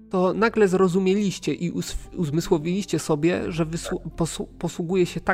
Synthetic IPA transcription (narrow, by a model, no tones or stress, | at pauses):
t̪ɔnaɡlɛzɾɔzumʲjelʲiɕt͡ɕɛʔiʔusuzmɘswɔvʲilʲiɕt͡ɕɛsɔbʲjɛ̰ʐɛvɘspɔspɔswuɡujɛɕɛt̪a